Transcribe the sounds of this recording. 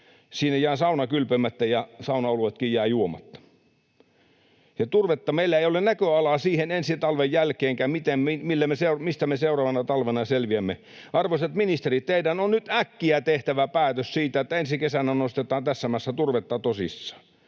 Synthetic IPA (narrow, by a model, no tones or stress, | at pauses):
siːnejæːsɑunɑkylpemæt̪ːæjɑsɑunɑoluet̪kijjæːjuomɑ̰t̪ːɑ̥ | jɑt̪urʋet̪ːɑmeilːæeiolennækøɑlɑsiːhenensit̪ɑlʋejjælkeːŋkæmmit̪emmimilːæmeseumist̪æmeseurɑʋɑnɑt̪ɑlʋenɑselʋiæmːe | ʔɑrʋosɑt̪minist̪erit̪teidænonnyt̪ækːiæt̪eht̪æʋæpæːt̪øssiːt̪æet̪ːæensikesænænost̪et̪ˑɑːnt̪æsːæmæsːæt̪urʋet̪ːɑt̪osḭsːɑ̥